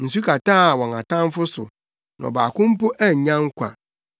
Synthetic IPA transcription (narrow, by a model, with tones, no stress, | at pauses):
n̩˨s̬u˦kʰa˨tãː˦˨wɔ̃˨ŋa˨tã˦m˦fʊ˦sʊ̰˨ | nã̰˨baː˨kʊ̃˦m̩˦pʊ˦ʔæ˦ɲ̩˨ɲã˦ŋ˦kʷʰã̰˨